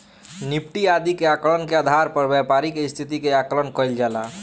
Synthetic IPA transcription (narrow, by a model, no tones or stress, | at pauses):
nip̚ʈiad̪ikeaklənkead̪ʱaɾpəɾbjapaɾikest̪ʰit̪ikeaklənkəjld͡ʒala